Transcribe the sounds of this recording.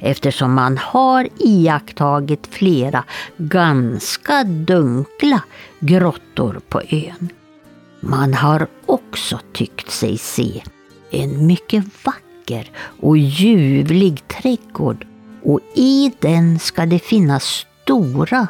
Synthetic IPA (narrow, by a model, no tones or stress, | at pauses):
ʔɛft̪əʂɔmːanhaɾiakt̪ʰɑːɡɪt̪fleːɾaɡanskad̪ɵŋklaɡɾɔt̪ːʊ̰ɾpʰɔ̰ʔøːn | manhaɾ | ɔksɔt̪ʰʏkt̪sɛ̰jsḛː | ɛnmʏkːəvakːəɾʔɔjʉ̟ːvlɪɡt̪ʰɾɛɡo̰ːɖ | ʔɔɪd̪ɛnskad̪ɛfɪnːasːt̪uːɾa